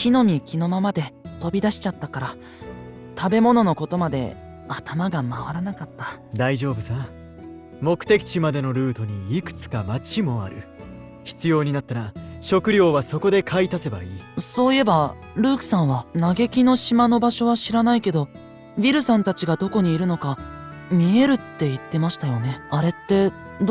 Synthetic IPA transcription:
çʲino̞mʲikʲino̞mamad̪e̞t̪o̞bʲid̪aɕi̥t͡ɕat̪ːakaɾa | t̪ʰabe̞mo̞no̞no̞ko̞t̪o̞mad̪e̞̰ | at̪ʰamaɡamaβaɾanakat̪ːḁd̪aiʑo̞ːbɯ̟sã | mo̞kɯ̟̥t̪e̞kʲi̥t͡ɕimad̪e̞no̞ɾɯ̟ːt̪o̞ɲ̟iːkɯ̟̥t͡sɨ̥kamat͡ɕimo̞a̰ɾɯ̟ | çi̥t͡sɨjo̞ːɲ̟inat̪ːaɾaɕo̞kɯ̟ɾʲo̞ːβaso̞ko̞d̪e̞kʰait̪ase̞baiːso̞ːie̞ba | ɾɯ̟ːkɯ̟̥sãɰ̃βanaɡe̞kʲino̞ɕimano̞baɕo̞βaɕiɾanaike̞d̪o̞ | bʲiɾɯ̟sãnt̪at͡ɕiɡad̪o̞ko̞ɲ̟iːɾɯ̟no̞kamʲie̞ɾɯ̟t̪ːe̞it̪ːe̞maɕi̥t̪ajo̞ne̞aɾe̞t̪ːe̞

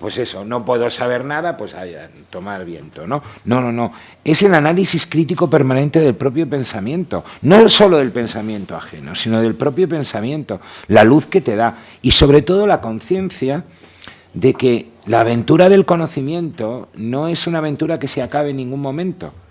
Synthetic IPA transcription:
pwe̞se̞so̞no̞pwe̞ðosaβ̞e̞ɾnaðapwe̞saja | t̪o̞maɾβ̞je̞̰nt̪o̞no̞no̞no̞no̞ | e̞se̞lanalisiskɾit̪iko̞pe̞ɾmãnẽ̞nt̪e̞ðe̞lpɾo̞pjo̞pe̞nsamjẽ̞nt̪o̞̰no̞so̞lo̞ðe̞lpe̞nsamjẽ̞nt̪o̞a̰xe̞̰no̞̰sino̞ðe̞lpɾo̞pjo̞pẽ̞nsamjẽ̞nt̪o̞laluθke̞t̪e̞ða | iso̞β̞ɾe̞t̪o̞ð̞o̞lako̞nθje̞nθja | ðe̞ke̞ | laːβ̞e̞nt̪uɾaðe̞lko̞noθimjẽ̞nt̪o̞no̞e̞sunaβ̞e̞nt̪uɾake̞seakaβe̞nːĩŋɡunmõ̞mẽnt̪o̞̰

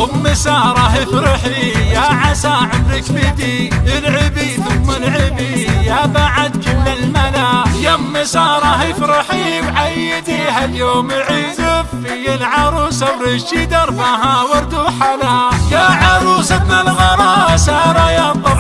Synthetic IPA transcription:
ʊmːɪsɑːɾˤɑɦɪfɾɪħlijaʕasaːʕɪmɾɪkbɪd̪iɪlʕɪbiθʊmːalʕɪbijabaʕad̪̚kɪmːɪlmalajamːɪsɑːɾˤɑhɪfɾɪħlibʕajːɪd̪ihaljoːmɪlʕizɪf | ijɪlʕɑɾˤuːsaɾɪʃid̪ɑɾˤbaɦawɑɾd̪uːħalajaʕɑɾˤuːsabɪlɣɑɾˤɑsɑːɾˤɑjat̪ˤɑ

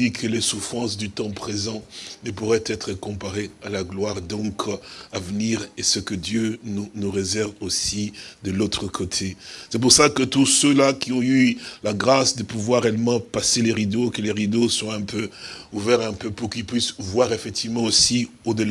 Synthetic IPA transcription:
ikʰəlesufχɑ̃sd̪yt̪ɑ̃pχezɑ̃nəpuʁɛt̪ɛt̪χəkɔ̃paʁealaɡlwaʁd̪ɔ̃kavniʁesəkəd̪jønunuʁezɛʁvosid̪əlot̪χəkʰot̪ʰesɛp̬uʁsakət̪usølakʲiɔ̃ylaɡʁasd̪əpuvwaʁeɛlmɑ̃paseleʁid̪okəleʁid̪osɔ̃ɛ̃pøuvɛʁɛ̃pøpuʁkilpɥisvwaʁefɛk̚t̪ivmɑ̃osi | od̪əl

